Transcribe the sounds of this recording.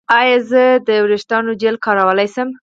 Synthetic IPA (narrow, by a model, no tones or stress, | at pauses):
ɑjɑzəd̪əwɾeʃt̪ɑnod͡ʒelkɑɾawəlajsəm